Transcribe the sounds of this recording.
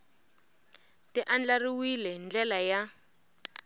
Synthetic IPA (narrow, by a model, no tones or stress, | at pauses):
tʼɪʔand͡ɮariwilɛnd͡ɮɛlaja